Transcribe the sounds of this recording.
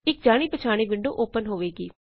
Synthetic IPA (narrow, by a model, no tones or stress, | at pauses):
ɪk̚d͡ʒaːɽ̃iːpət͡ʃʰaːɽ̃iːʋɪɳɖo̰ːʔoːpənɦoːʋeːɡḭː